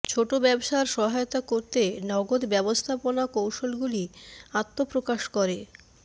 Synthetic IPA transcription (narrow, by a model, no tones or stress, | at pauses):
t͡ɕʰoʈobɛbʃaɾʃɔɦaeot̪akoɾt̪enɔɡod̪bɛbost̪ʰaponakowʃolɡuliat̪ːopɾokaʃkɔɾe